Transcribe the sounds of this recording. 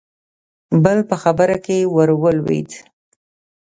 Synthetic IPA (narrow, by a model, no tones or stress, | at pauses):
bəlpəxabəɾakewəɾwəlwḭt̪